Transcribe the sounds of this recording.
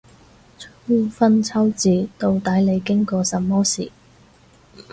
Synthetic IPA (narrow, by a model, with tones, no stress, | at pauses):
t͡sʰu˥fɐ˥nt͡sʰɐ˥wt͡siː˨˩t̪o˧wt̪aː˨˥jle˨˧jkɪ˥ŋkɔː˧sɐ˨mmːɔː˥sḭː˨˩